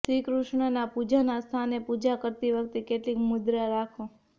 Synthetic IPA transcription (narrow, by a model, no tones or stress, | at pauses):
sɾikɾuʃɳənapud͡ʒanast̪ʰanepud͡ʒakəɾt̪iʋək̚t̪ekeʈlikmʊd̪ɾaɾakʰõ